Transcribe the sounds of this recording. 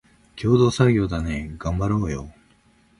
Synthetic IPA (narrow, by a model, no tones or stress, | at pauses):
kʲʰo̞ːd̪o̞ːsaɡʲo̞ːd̪ane̞ɡ̥ãmbaɾo̞ːjo̰